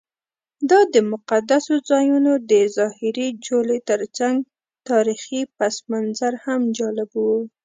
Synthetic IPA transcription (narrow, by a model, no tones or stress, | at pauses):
d̪ɑd̪əmʊqad̪asozɑjunod̪əzɑhɪɾid͡ʒolet̪əɾt͡saŋɡ | t̪ɑɾixipasmanzaɾhamd͡ʒɑlɪbwu